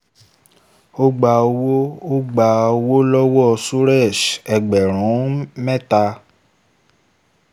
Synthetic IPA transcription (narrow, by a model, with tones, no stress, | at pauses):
o˦ɡ͡ba˧o˧wo˦o˦ɡ͡ba˧o˧wo˦lɔ˦wɔ˦˨su˦ɾɛ˦˨ʃɛ˨ɡ͡bɛ˨ɾ̃ũ˨˦mɛ̃˦˨ta˧